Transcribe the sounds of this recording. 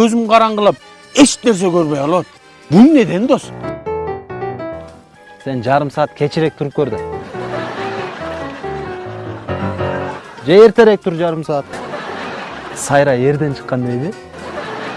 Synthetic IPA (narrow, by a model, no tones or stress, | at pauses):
øzɪmqʰɑɾɑɴʁəlˠɯp̚ | eʃneɾs̬e̞kʲʰøɾβe̞jolˠot̪ | bune̞d̪e̞nd̪o̞s | se̞nd͡ʒɑɾɯmsɑːt̪̚kʲʰe̞t͡ʃʰiɾe̞k̚t̪ʰuɾupkʰøɾd̪ɪm | d͡ʒeeɾt̪ʰe̞ɾek̚t̪ʰuɾd͡ʒɑɾɯmsɑːt̪ | sɑjɾɑe̞ɾd̪e̞nt͡ʃʰə̥qːɑnd̪ejd̪ɪ